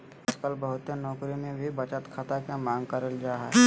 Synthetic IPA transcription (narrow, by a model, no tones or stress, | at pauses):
ɐd͡ʒkəlbəɦʊt̪ːenɔːkɾimẽbʱibət͡ʃət̪kʰat̪akemãːŋɡkəɾəld͡ʒaːɦɛ̰